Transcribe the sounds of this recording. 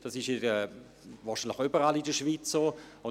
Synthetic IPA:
d̥ɑsɪʃeɛ | vɑːʃinlɪxybəɾalidəʃviːt͡sːoːʊn

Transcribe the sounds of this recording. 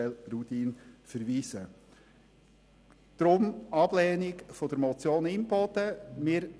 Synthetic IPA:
ɛlɾut̪iːnfəɾʋiːsə | d̪̥ɾʊmɑb̥lɛːnɪkfɔd̥əɾmɔt͡sjoːnɪmbɔdəmɪːɾ

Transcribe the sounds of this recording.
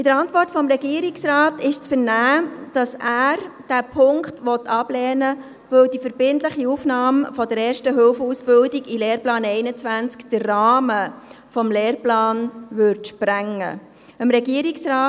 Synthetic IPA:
ɪd̥̪əɾɑntʋɔrtfɔmɾɛɡiəɾiksraːtɪʃt͡sfəɾnæːd̥ɑsæːɾ | d̥æːpʰʊŋkχtʋɔtʰːɑb̥lɛːnə | vɵwdifəɾb̥ɪntləχiufnɑːmfɔdəɾɛːɾʃtəɦɵlfəusb̥ʏldɪɡileːrplɑːnɛɪnət͡sʋænt͡skd̥ərːɑːmə | fɔmleːrplɑːnʋʏɾtʃpɾæŋːə̰ | əmɾɛɡiəɾiksraː

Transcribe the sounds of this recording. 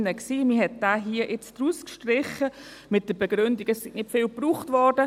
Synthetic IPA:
nəksiːmɪɦɛt̚d̥aːɦiːəʔɪt͡sd̥ɾuːskʃtrɪχəmɪt̚d̥əbɛɡ̥ɾʏndiɡɛsːɪɡnɪtfɪlpruːχtvɔɾdə

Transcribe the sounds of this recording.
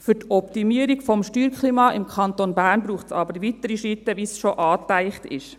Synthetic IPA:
fʏɾtɔptimiəɾiɡfɔmʃtyːɾkχliːmɑːʔɪmkʰχɑnt̪onbæːrnbruːχtsɑːbəɾʋit̪əɾiʃit̪ːəʋisʃoʔɑːtæɪχtɪ̰ʃ

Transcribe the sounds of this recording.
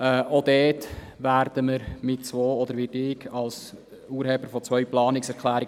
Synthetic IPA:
ɛodɛːtʋæːɾdəməɾmɪtt͡sʋoːɔd̪əɾʋɪdɪkɑls | uːɾhɛbəɾfɔt͡sʋœʏplɑːnɪksɛɾkʰlæːɾɪ

